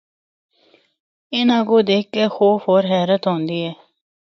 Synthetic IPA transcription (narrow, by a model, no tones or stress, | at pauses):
ɪnãːɡoːd̪eːkːexoːfɦoːɾɦɛːɾət̪ɦõːnd̪iːɦɛː